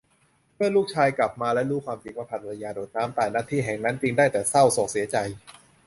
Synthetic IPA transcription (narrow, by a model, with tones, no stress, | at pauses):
mɯ˥˩əluː˥˩k̚t͡ɕʰaː˧jkla˨˩p̚maː˧lɛ˦˥ɾuː˦˥kʰwaː˧mt͡ɕi˧˩waː˥˩pʰa˨˩˧la˧jaː˧doː˨˩t̪̚naː˦˥mt̪aː˨˩naː˥˩t̪ʰiː˥˩ɦɛː˨˩ŋna˦˥nt͡ɕi˧ŋdaː˥˩jt̪ɛː˨˩sa˥˩wsɔː˨˩k̚si˩˦ɐt͡ɕa˧j